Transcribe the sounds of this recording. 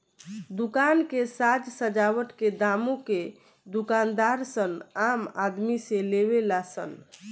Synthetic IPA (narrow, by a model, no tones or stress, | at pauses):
d̪ukankesad͡ʒsəd͡ʒawəʈked̪amõke | d̪ukand̪aɾsənamad̪misẽleβelasə̰n